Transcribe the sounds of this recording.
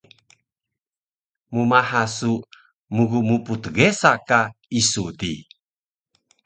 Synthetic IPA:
mumaɦasu | muɣumuput̪ɡesakaisut̪i

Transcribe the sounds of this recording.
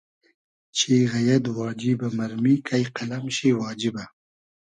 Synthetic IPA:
t͡ʃʰeɣajad̪wɑːd͡ʒɪbamaɾmikʰajqalamʃiwɑːd͡ʒɪba

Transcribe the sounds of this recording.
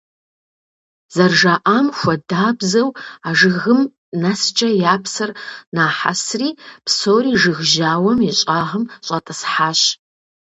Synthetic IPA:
z̥ɐrʒaːʔaːmxʷɐdaːbzɐwaʐɨɣɨm | nɐst͡ʃʼɐjaːpʰsɐrnaːħa̰sriːpsowriːʒɨɣʒaːwɐmiɕʼaːʁəmɕʼɐtʼɐsħaːɕ

